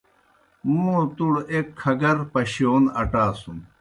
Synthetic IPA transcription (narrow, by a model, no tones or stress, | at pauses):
mũːt̪uɽekʰːɐɡɐɾpɐɕjoːnɐʈaːsum